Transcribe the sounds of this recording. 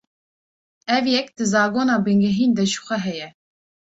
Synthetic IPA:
ɛvjɛk̚d̪̥ɨzɑːɡoːnɑːbɨŋɡɛɦiːnd̪ɛʒɨxʷɛɦɛjɛ

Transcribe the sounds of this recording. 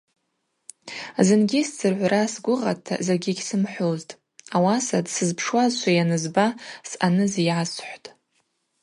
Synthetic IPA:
zɨnɡʲist͡sʰɨrʕʷrasɡʷʊʁatʰːa̰zaɡʲiɡʲsɨmħʷoztʼ | awasadsɨzpʰʂwazʃʷʰajanɨzbasanɨzijʕasħʷtʼ

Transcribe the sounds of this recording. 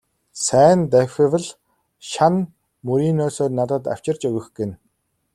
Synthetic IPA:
sæːnt̪æxʲɘ̆wə̆ɮ | ʃan | mɵɾiːnœːsoːrnat̪ə̆t̪a̰w̥t͡ɕɪ̆rt͡ɕɵɣɘ̆xɡĕn

